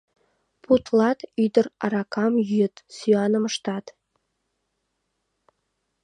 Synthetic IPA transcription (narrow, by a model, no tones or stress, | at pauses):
put̪lˠɑt̪yd̪ə̆rɑ̰ɾɑkʰɑmjyjət̪syɑnə̆məʃt̪ɑt̪